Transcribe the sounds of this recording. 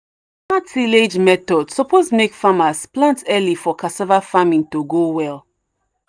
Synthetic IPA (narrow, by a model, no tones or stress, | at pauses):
ãtʰiled͡ʒmɛtɔdsɔpʰosmekfamasplãntɛlifɔkʰasavafamĩntoɡowɛlˠ